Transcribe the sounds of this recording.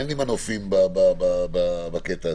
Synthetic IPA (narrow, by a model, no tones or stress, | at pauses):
nimanofimbababababaket̪a